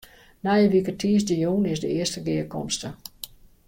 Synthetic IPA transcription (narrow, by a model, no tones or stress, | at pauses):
najəʋikətʰiːsdəjoːnɪsdəɪəstəɡɪəkʰɔmstə